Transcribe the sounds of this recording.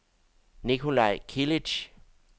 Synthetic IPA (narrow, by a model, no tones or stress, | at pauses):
nikhula̰jkʰilit͡ʃ